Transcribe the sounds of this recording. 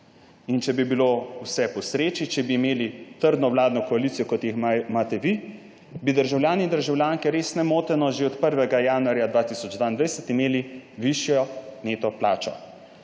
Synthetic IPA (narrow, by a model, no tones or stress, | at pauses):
int͡ʃɛbibilowsɛpɔsɾeːt͡ʃit͡ʃɛbiːmeːlit̪əɾd̪nɔwlaːd̪nɔkɔalit̪sijɔkɔt̪jixmaːt̪ɛʋi | bid̪əɾʒawlʲjaːnind̪əɾʒawljaːŋkɛɾeːsnɛmoːt̪ɛnɔʒeɔt̪pəɾʋɛɡajaːnuaɾjad̪ʋaːt̪isɔd͡ʒd̪ʋaːind̪ʋɛjsɛt̪imeːliʋiʃjɔneːt̪ɔplaːt͡ʃɔ̰